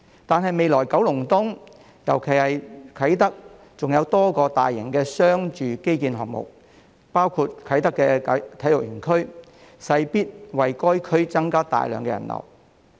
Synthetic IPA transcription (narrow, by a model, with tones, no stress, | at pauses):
t̪aː˨nɦɐ˨jme˨jlɔː˨˩jkɐ˨˥wlʊ˨˩ŋt̪ʊ˥ŋ | jɐ̰˨˩wkʰe˨˩jhɐ˨jkʰɐ˨˥jt̪ɐ˥k̚ | t͡sʊ˨ŋjɐ˨˧wt̪ɔː˥kɔː˧t̪aː˨jːɪ˨˩ŋkɛː˧sœː˥ŋt͡ʃyː˨ke˥jkiː˧nɦɔ̰ː˨˩k̚mʊ̰˨k̚ | paː˥wkʰuː˧t̚kʰɐ˨˥jt̪ɐ˥kːɛː˧t̪ʰɐ˨˥jlʊ˨k̚jyː˨˩nkʰɵ˥ɥ | sɐ˧jpiː˥t̚wɐ˨jkɔː˥jkʰɵ˥ɥt͡sɐ˥ŋkaː˥t̪a̰ː˨jlœ̰ː˨˩ŋkɛ˧jɐ̰˨˩nlɐ̰˨˩w